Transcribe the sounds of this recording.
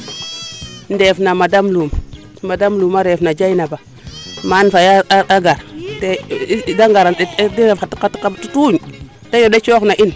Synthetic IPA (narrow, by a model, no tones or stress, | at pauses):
ndefnamadamlum | madamlumaɾefnad͡ʒainaba | manfajaaɡaɾtedaŋɡaɾadinafatikːatikatutuɲ | tajodat͡ʃoknaʔin